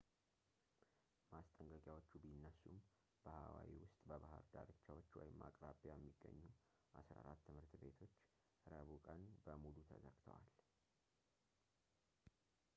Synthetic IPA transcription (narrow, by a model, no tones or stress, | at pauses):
mast̪ʼəŋkʼəkʼjawot͡ʃːubinːəsːum | b̥əhawa̰wiwʊst̪ʼbəβahəɾd̪a̰ɾɨt͡ʃːawot͡ʃːwɔ̰jɪmːakʼɾabajɛmːiɡːə̰ɲːu | ʔasɾa̰ɾat̪ːɨmhɨɾt̪be̞t̪ʰo̞t͡ʃː | ɾəβukʼənbəmulut̪ʰəzəɡt̪ʰə̰wal